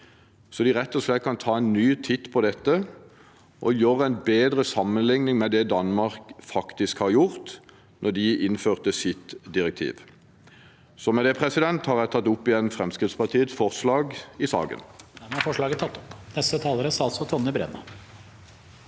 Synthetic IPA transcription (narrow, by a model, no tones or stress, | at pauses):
sɔd̪ɪʁɛt̪ːɔʂlɛt̪̚kɑnt̪ʰɑːæɪnnyːt̪ʰɪt̪ːpʰɔd̪ɛt̪ːə | ʔɔjøːʁəænbeːd̪ʁəsɑmːənlɪŋnɪŋmɛd̪ɛd̪ɑnmɑʁkfɑkt̪ɪskhɑʁjʊʁt̪ | nɔd̪ɪɪnføːʁt̪əsɪt̪d̪ɪɾɛk̚t̪ʰḭːʋ | sɔmɛd̪ɛpʰʁɛsɪd̪ɛnt̪hɑʁæt̪ʰɑt̪ːʊpːɪɛnfɾɛmskʁɪt̪spɑʁt̪ʰiːət̪sfɔʁslɑːɡɪsɑ̰ːɡə̰nɛnæɾfɔʂɭɑːɡət̪ʰɑt̪ːɔ̥pnɛst̪ət̪ʰɑːləɾəsɑlt̪sɔt̪ʰɔnːəbɾɛ̰nɑ̰